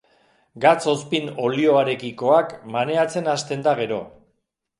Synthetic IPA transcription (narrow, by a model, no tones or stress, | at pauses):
ɡat͡so̞spino̞lio̞aɾe̞kiko̞akmane̞at͡se̞nast̪e̞nd̪aɣ̞e̞ɾo̞